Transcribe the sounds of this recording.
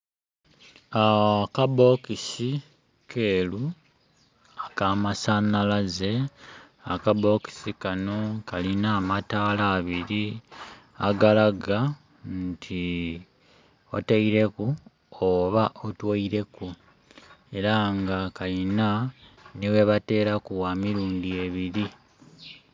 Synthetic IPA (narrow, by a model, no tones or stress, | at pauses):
akabo̞kisi | kʰe̞ːlu | akamasanalaze̞ | akabo̞ki̥sikano̞kalinaːmataːlaːβiɾi | aɡalaɡa | ntʰi | o̰taiɾe̞ku | oβaʔotwaiɾe̞ku | e̞ɾaŋɡakalinaniwe̞βate̞ːɾakuwamiɾuːndie̞βiɾi